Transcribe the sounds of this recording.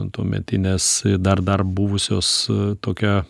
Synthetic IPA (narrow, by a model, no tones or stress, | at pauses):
nt̪uɔmʲɛ̰t̪ʲɪnʲɛsd̪ɐrd̪ɐrbʊʋʊsʲoːst̪oːkʲɛ